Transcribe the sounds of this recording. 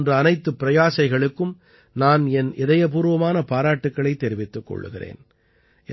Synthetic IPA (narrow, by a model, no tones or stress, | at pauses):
ndrɯɐnɐɪt̪ːɯpːɪɾɐjaːsɐɪɣɐɭɯkːɯm | naːnɛnɪðɐjɐp̬uːɾɯʋɐmaːnɐpaːɾaːʈːɯkːɐɭɐɪt̪ːɛɾɪʋɪt̪ːɯkːɔ̰ɭːɯ̰ɣɪrḛːn | ʔɛ